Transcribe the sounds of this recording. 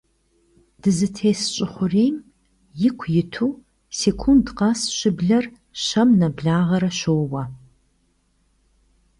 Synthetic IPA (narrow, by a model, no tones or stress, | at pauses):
d̥ɨzɨtʰeːsɕʼɪχʷʊreːm | jɪkʷʰjɪtʰuː | seːkʰundqɑsɕɪbɮɐr | ɕɐmnɐbɮaːʁɐɾɐɕoːwɐ